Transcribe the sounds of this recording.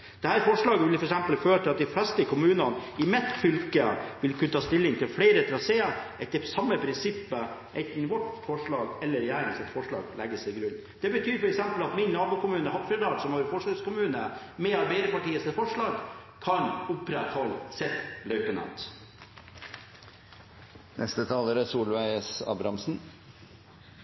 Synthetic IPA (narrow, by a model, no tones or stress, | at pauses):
d̪̥ɛhæːɾfɔʂɭɑːɡəʋɪlfɔɾɛksɛmpəlføːt̪ʰɪlɑt̪̚d̪ɪflɛst̪əkʊmʉːnɑnɪmɛt̪ːfʏlkəʋɪlkʰʉnət̪ɑːst̪ɪlːɪŋt̪ʰɪlfɽeɪɾət̪ʰɾɑseːəɛt̪ːəsɑmːəpʰɾɪnsɪpːəʔɛɪnt̪n̩ʋɔʈfɔʂɭɑːɡɛlːəɾɛjæːɾɪŋsɛt̪fɔʂɭɑ̰ːɡlʔɛ̰ɡːəsɛɪɡɾʉnː | d̪̥ɛbət̪ʰyːɾfɔɾɛksɛmpəlɑt̪mɪnːɑːbʉːkʊmʉːnəhɑp̪fɾɛd̪ɑːɾsɔmhɑːɾfɔʂlɑskʊmʉːnəmɛɑɾbɛɪɾəpɑʈiːəsɛfɔʂɭɑːɡ | kʰɑɲʊpɾɛt̪hɔlsɛt̪lœʉpənɑ̰t̪ | nʔɛ̰st̪ət̪ʰɑːləɾəsuːlʋæɪəsɑ̰ːbɾɑmsn̩